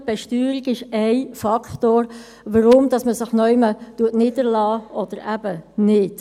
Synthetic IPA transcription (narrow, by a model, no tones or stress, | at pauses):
b̥ɛʃtyːɾiɡɪʃɛɪfɑktoːɾ | ʋəɾʊmd̥ɑsməsɪχnœʏmətuətnɪːdəɾlɑːʔɔd̥əɾæb̥ənɪt